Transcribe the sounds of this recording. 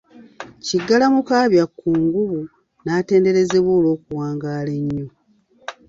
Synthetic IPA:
ciɡːalamukaːβjakːuːŋɡuβu | naːte̞ːnde̞ɾe̞ze̞βwo̞ːlo̞ːkuwaːŋɡaːle̞ɲːo̞

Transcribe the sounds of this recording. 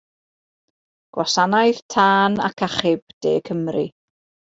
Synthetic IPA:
ɡ̥wasanajð̥tʰaːna̰kʰaχɪb̥̚d̥ḛːkʰəmrḭ

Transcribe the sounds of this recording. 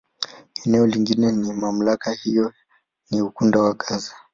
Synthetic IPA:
ɛnɛɔliŋɡinɛnimam̩lakahijɔ | niukundawakaza

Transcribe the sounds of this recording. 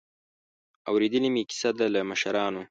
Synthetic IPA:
awɾed̪əlimiki̥sad̪alamaʃaɾɑːno

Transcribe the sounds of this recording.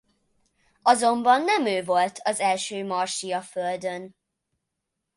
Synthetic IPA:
ɒzo̞mbɒnːɛmøːvo̞lt̪ʰɒzɛlʃøːmɒrʃijɒføld̪øn

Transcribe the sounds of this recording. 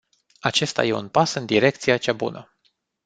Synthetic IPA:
at͡ʃe̞st̪a̰je̞ṵnpasɨnd̪iɾe̞k̚t̪sijat͡ʃabṵnə

